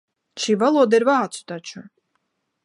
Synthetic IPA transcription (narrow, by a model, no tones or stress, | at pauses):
t͡ʃʰivalˠɔd̪ɛɾvaːsʰu̥t̪at͡ʃʰu